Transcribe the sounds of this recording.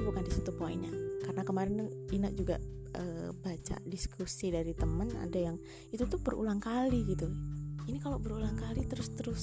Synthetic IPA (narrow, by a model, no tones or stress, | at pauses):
bukandisit̪upoḭɲa̰karənakəmaɾɪnuinaʔ̚d͡ʒuɡa̰ | ʔəbat͡ʃa̰diskʰusidaɾit̪əməna̰dajaŋ | it̪ut̪ubəɾṵlaŋkaliɡit̪uinikalobəɾulaŋkalit̪əɾʊst̪əɾʊs